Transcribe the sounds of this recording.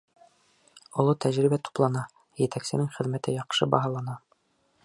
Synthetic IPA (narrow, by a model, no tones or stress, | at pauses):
ŏlˠɤt̪ʰæʑɾibæt̪u̥plˠɑnɑ | jɘ̆t̪æksɘ̆nɘŋχɘ̆ðmæt̪ɘjɑqʃɤbɑɦɑlˠɑnɑ